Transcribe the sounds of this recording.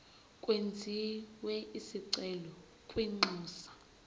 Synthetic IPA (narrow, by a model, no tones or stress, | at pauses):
kʼwend͡zʱiwɛisiǀɛlɔ | kʼweŋ͡ǃuːsḁ